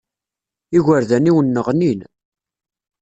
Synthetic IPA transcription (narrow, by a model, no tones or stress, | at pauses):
iʝʷəɾðæniwənːəʁnin